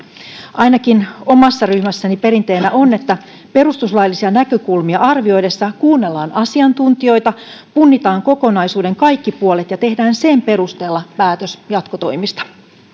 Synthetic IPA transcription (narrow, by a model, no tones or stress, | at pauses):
ʔɑjnɑkino̞mɑsːɑryhmæsːænipe̞ɾint̪e̞jnæʔo̞nːe̞t̪ːæ | pe̞rust̪uslɑjlːisiɑnækøkulmiɑɑrʋio̞jde̞sːɑkuːnːe̞lːɑːnʔɑsiɑnt̪unt̪io̞jt̪ɑpunːit̪ɑːŋko̞ko̞nɑjsuːde̞ŋkɑjkːipuolet̪jɑt̪e̞hdæːnse̞mpe̞ɾust̪e̞ːlːɑpæːt̪øsjɑt̪kot̪o̞jmist̪ɑ̥